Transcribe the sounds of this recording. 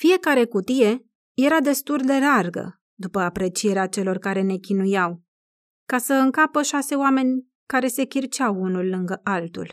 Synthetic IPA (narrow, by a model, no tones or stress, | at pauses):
fije̞kaɾe̞kut̪ije̞ | je̞ɾad̪e̞st̪uld̪e̞larɡə̰ | d̪upəapɾe̞t͡ʃije̞ɾeat͡ʃe̞lo̞rkaɾe̞ne̞kʲinujaw | kasəɨŋkapəʃase̞oame̞nʲ | kaɾe̞se̞kʲirt͡ʃawunulːɨŋɡəʔalt̪ṵl